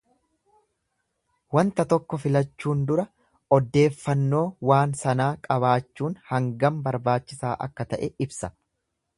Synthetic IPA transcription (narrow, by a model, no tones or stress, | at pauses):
wɐnt̪ɐt̪ɔkːɔfɪlɐt͡ʃːuːnd̪ʊɾɐ | ɔd̪ːe̞ːfːɐnːo̞ːwaːnsɐnaːkʼɐβaːt͡ʃːuːnhɐŋɡɐmbɐɾbaːt͡ʃːɪsaːʔɐ̰kːɐt̪ɐʔɛɪbsɐ